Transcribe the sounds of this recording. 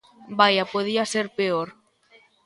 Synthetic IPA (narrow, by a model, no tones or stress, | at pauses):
bajapoð̞iaseɾpeoɾ